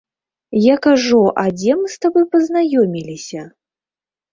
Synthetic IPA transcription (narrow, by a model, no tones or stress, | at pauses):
jakaʐuʔad͡zʲɛmst̪abɨpɐznajɔmʲilʲisʲɐ